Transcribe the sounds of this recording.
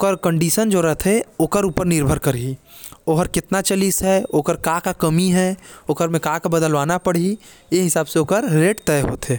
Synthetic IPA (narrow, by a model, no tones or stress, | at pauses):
okəɾkə̃ɳɖiːsənd͡ʒoɾəɦt̪ʰeoːkəɾuːpəɾnɪɾbʱəɾkəɾi | oːɦəɾkɪt̪nat͡ʃəlisɦɛoːkəɾkaːkakəmiɦɛoːkəɾmẽkaːkabəd̪əlʋaːnapəɽ̤i | jeɦɪsaːbseoːkəɾːeːʈt̪ɛɦo̰ːt̪ɦeː